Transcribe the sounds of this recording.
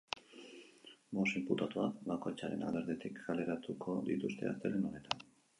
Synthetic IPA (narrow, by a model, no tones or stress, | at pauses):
mo̞semput̪at̪oaβako̞jt͡saɾe̞̰na̰ld̪e̞ɾðet̪ikɡale̞ɾat̪ukʰo̞d̪it̪ust̪e̞̰a̰st̪e̞ɾeno̞ne̞t̪an